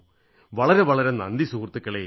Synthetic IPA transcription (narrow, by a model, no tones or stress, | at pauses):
ʋɐɭɐɾɐʋɐɭɐɾɐnɐnd̪isuːɾt̪ːɯkːɐɭɐː